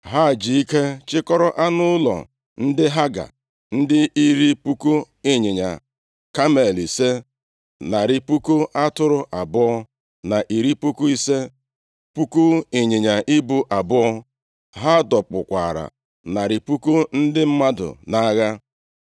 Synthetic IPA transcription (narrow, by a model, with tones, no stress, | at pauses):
ɦa˦˨d͡ʒi˨i˦ke˦t͡ʃɪ˦kɔ˦ɾɔ˦ʔa˦nʊ˦lɔ̰˨ | n̩˦dɪ˦ɦa˦ɡa̰˨ | n̩˦dɪ˦ʔi˦ɾi˦pu˦ku˦ | e˨ɲɪ˨ɲa̰˨ | ka˦me˨li˨se˦ | na˨ɾɪ˨pu˦ku˦a˦tʊ˦ɾʊ˨ʔa˨bʊ˦ɔ˦ | na˨ʔi˨ɾi˦pu˦ku˦i˦se˦ | pu˦ku˦e˨ɲɪ˨ɲa˨ʔi˦bu˦ʔa˨bʊ˦ɔ˦ | ɦa˦dɔ˨k͡pʊ˨kʷa̰˨ɾa̰˨ | na˨ɾɪ˨pu˦ku˦n̩˦dɪ˦m̩˦ma˦dʊ̰˨na˦ɣa˦